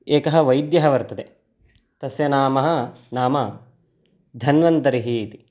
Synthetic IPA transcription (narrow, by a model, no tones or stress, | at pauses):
eːkɐɦɐ̆ʋɐjd̪jɐɦɐʋɐɾt̪ɐd̪e | t̪ɐsjɐnaːmɐɦɐ̆naːmɐ | d̪ʱɐnʋɐnt̪ɐɾiɦiːt̪i̥